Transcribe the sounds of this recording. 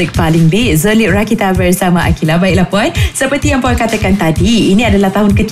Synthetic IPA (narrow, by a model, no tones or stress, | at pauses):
ək̚palɪŋbiʔ̚zəliʔ̚ɹakit̪avɛrsamaʔa̰kilabaik̚lahpɔnsəpərt̪ijaŋpɔkat̪akant̪adiːnĩadalaht̪aɦʊnkət̪